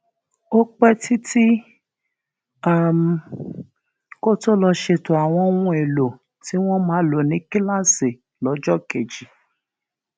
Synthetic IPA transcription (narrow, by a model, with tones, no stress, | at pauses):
o˦k͡pɛ˦ti˦ti˦ | a˦˨m˨ | ko˦to˦lɔ˧ʃe˧to˨a˨w̃ɔ̃˧˦wũ˧e˨lo˨ | ti˨˦w̃ɔ̃˦mãː˨˦lo˨nĩ˨˦ki˦la˦se˨ | lɔ˨˦d͡ʒɔ˦ke˨d͡ʒi˨